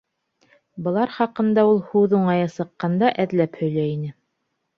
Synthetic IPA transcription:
bɤ̆lˠɑɾχɑqɤ̆nd̪ɑulˠhuðuɴɑjɤsɤ̆qːɑnd̪ɑʔæðlæphɵ̆jlæinɘ

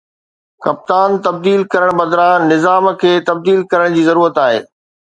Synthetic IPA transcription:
kɐp̚t̪aːnt̪ɐb̚d̪iːlkɐɾəɽ̃bɐd̪ɾanɪzaːmkʰeːt̪ɐb̚d̪iːlkɐɾəɽ̃d͡ʑiːzɐɾuːɾət̪aːɦḛː

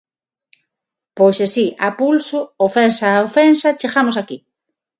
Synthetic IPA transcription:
pojsesiʔapulsʊofensaofensat͡ʃeɣamosaki

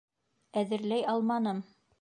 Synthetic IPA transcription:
æðɘ̆ɾlæjɑlˠmɑnɤm

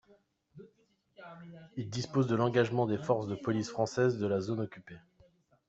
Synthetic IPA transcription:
ild̪ispozd̪əlɑ̃ɡaʒmɑ̃d̪efɔʁsd̪əpɔlisfχɑ̃sɛzd̪əlazonɔkʲype

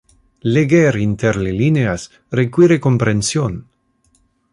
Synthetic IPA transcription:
leɡeɾint̪eɾlelineas | ɾekwiɾekompɾensjon

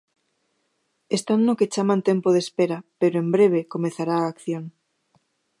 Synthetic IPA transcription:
est̪anːoket͡ʃamant̪empoð̞espeɾapeɾoembɾeβ̞ekomeθaɾaːkθjoŋ

